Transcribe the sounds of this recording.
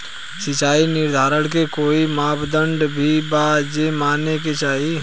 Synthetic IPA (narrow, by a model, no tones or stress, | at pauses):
sɪt͡ʃaːinɪɾd̪ʱaːɾəɽkekoːimaːpd̪ə̃ɳɖbʱibad͡ʒemaːneket͡ʃaːɦi